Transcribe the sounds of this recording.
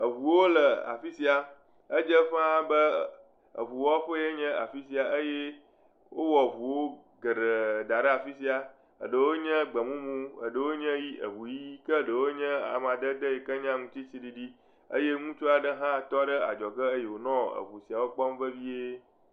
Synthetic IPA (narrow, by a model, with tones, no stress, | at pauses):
ə˨βu˨wo˦lə˨a̰˨fi˦si˦a˨ | ə˦d͡ʒə˦ɸã˦bə˦ | ə̰˨βu˨wo˦a˦ɸə˦je˦ɲɛ̃˦a̰˨fi˦s̬i˨˦a˨ə˦je˦ | wo˦wɔ˨βu˨wo˦ | ɡə˨ɖə˨d̪a˨ɖə˦a˨fi˦si˦a˨ | ə̰˨ɖə˨wo˦ɲɛ̃˦ɡ͡bə˨mũ˦mũ˦ə̰˨ɖə˨wo˦ɲə̃˦ji˦ʔə̰˨βu˨ji˦kə˦ɖə˨wo˦ɲɛ̃˦a̰˨m˨ã˨d̪ə˦d̪ə˦je˨kə˦ɲã˦ŋũ˨t͡ɕi˦si˦ɖi˦ɖi˦ | ə̰˦je˦ŋũ˦t͡ʃo˦a˨ɖə˦ɦã˦˨t̪ɔ˦ɖə˦a̰˨d͡ʒɔ˨kə˦ə˦je˨wo˨nɔ̃˦ə̰˨βu˨si˨a˨wo˦k͡pɔ˦mvə˦vi˦e˦